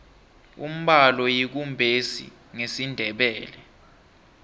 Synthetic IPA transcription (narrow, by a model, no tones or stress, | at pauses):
ṵm̩ɓalɔjik̬umbʱesḭ | ŋesindʱɛɓɛːlɛ